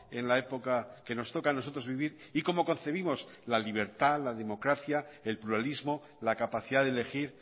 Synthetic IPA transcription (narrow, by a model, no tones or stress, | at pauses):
e̞nlae̞po̞kake̞no̞st̪o̞kano̞so̞t̪ɾo̞zβiβiɾ | iko̞mo̞ko̞n̟θe̞β̞imo̞s | laliβ̞e̞ɾt̪alaðe̞mo̞kɾaθjae̞lpluɾalizmo̞ | lakapaθiðaðele̞xiɾ